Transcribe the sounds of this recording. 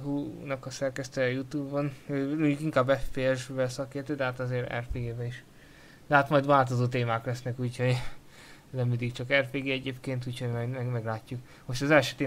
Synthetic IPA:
ɦuːnɒkɒsɛrkɛst̪ɛjɛjut̪uːbːonøːmoɲɟukiŋkaːbːɛffeɛʒbɛlsɒkeːrt̪øːd̪ɛɦaːt̪ɒzeːɾɛ̰rfeːɡeːbɛiʃ | d̪̥ɛɦaːt̪mɒjd̪ʋaːlt̪ozoːt̪̬eːmaːklɛsnɛkuːcho̞ɟ | nɛmːind̪ikt͡ʃɒkɛrfeːɡeːɛɟeːpkeːnt̪uːchoɟmɛɛɡmɛɡlaːcːuk | moʃt̪ɒzɛlʃøːt̪eː

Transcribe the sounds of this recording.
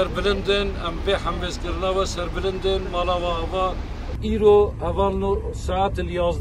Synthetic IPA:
ɛɾbɪlɪnd̪ɪnɛmbeħæmbeːzkɨɾɨnɑːwɛsɛɾbɪlɪnd̪ɨnmɑːlɑːwɑhɛvɑː | iːɾohɛvɑːlnosaʕat̪ljɑːzd̪

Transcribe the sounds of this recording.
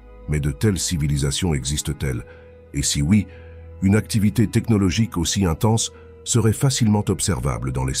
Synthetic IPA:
mɛd̪ət̪ɛlsivilizasjɔ̃ɛɡzist̪ət̪ɛl | esiwi | ynak̚t̪ivit̪et̪ɛknɔlɔʒikosiɛ̃t̪ɑ̃sː | əʁɛfasilmɑ̃t̪ɔpsɛʁva̰bləd̪ɑ̃les

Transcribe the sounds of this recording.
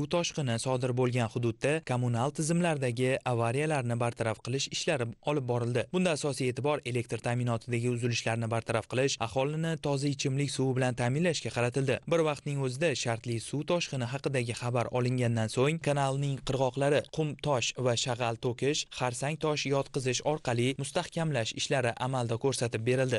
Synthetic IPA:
ʊt̪ʰɒʃqɨnɪsɒd̪ɪɾbolˠɡʲanχʊd̪ʊd̪ːakʰomʊnalˠt̪ʰɪzɪmlaɾd̪aɡʲɪavːaɾijalaɾnɪbaɾt̪ʰaɾafqʰɨlˠɪʃɪʃlaɾɪɒlˠɪp̚bɒɾɪld̪ɪbʊnd̪aːsɒsijet̪ʰɪbɒɾe̞le̞k̚ʲt̪ɾt̪ʰamɪnɒt̪ʰɪd̪aɡʲɪʊzɪlɪʃlaɾnɪbaɾt̪ʰaɾafqʰɨlˠɪʃɑ̰χɒlɪnɪt̪ʰɒzaɪt͡ʃʰɪmlɪkʲsʊwbɪlant̪ʰaːmɪnlaʃkʲaqʰɑɾat̪ʰɪld̪ɪbɪɾvɑqt̪nɪŋɵzɪd̪aʃaɾt̪lɪsut̪ʰɒʃqɨnɪɦɑqɨd̪aɡʲɪχɑbaɾʔɒ̰lˠɪŋɡʲand̪ansoŋkʰanalˠnɪŋqʰɨɾʁɒqlˠaɾɪqʰʊmt̪ʰɒʃvaʃaʁalˠt̪ʰokʲʰɪʃʃχaɾsaŋt̪ʰɒʃjɒt̪qɨzɪʃɒɾqʰɑlˠɪjmʊst̪ahkʲʰamlaʃɪ̰ʃlaɾɪʔamalˠd̪ɒkʰɵɾsat̪ɪp̚be̞ɾɪld̪ɪ

